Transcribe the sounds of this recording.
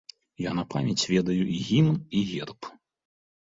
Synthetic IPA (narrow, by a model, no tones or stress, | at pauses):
janɐpʰamʲɛt͡sʲvʲɛd̪ɐjuʔiɣʲiniɣʲɛrp